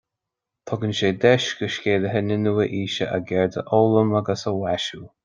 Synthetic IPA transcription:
t̪ʰɔɡənʃeːd̪ɛʃɡəʃkʲeːləɦənɪnuwəʔiːʃəʔaɡɛɹd̪ə̰ʔoːləmaɡəsəwaʃuː

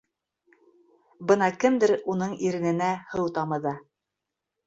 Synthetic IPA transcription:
bɤnɑkɘmd̪ɘɾunɤɴiɾɘ̆nɘ̆næhɤwt̪ɑmɤ̆ðɑ

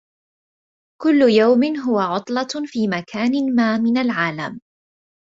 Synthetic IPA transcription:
kʊlːʊjawmɪnɦʊwaʕʊt̪ˤlɑfiːmakʰaːnɪmaːmɪnalʕaːlam

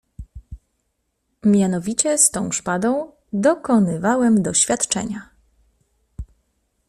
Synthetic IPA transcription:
mʲjanɔvʲit͡ɕɛst̪ɔ̃w̃ʂpad̪ɔ̃w̃ | d̪ɔkɔnɘvawɛmd̪ɔɕfʲjat̪t͡ʂɛ̰ɲa

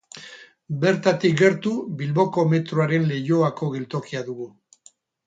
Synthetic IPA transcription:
be̞ɾt̪at̪ik̚ɡe̞ɾt̪uβilβo̞ko̞me̞t̪ɾoaɾe̞nle̞jo̞ako̞ɣ̞e̞lt̪o̞kiaðuɣu

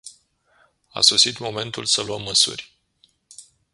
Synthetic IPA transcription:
a̰so̞sit̪mo̞me̞nt̪ulsəluəmːəsṵrʲ

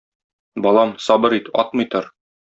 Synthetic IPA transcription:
bɒlˠɑmsɒbɤɾit̪ɒ̰t̪̚mɤ̆jt̪ɤɾ

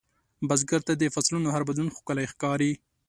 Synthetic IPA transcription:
bazɡaɾt̪ad̪əfaslunoɦaɾbad̪lunxo̥kəlajxkɑɾi

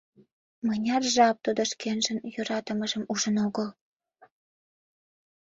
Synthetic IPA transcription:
mənʲɑrʒɑp̚t̪ud̪ŏʃkenʒənjøɾɑt̪əməʒəmuʒənoɣəl

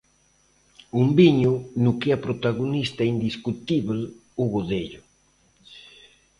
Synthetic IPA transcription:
umbiɲʊnʊkɪapɾot̪aɣonist̪aind̪iskut̪iβlʊɣoðeʎʊ

